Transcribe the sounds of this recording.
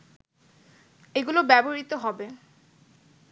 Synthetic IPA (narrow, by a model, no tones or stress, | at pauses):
eɡulobɛboɹit̪oɦɔbe